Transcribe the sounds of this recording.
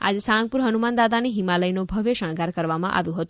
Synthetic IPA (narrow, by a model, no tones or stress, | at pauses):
a̰d͡zesãŋɡ̚puɾɦənumand̪ad̪aniɦimaləjnobʱəʋeʃəɽ̃kaɾkəɾʋamã̰ʔa̰ʋjũɦət̪ũ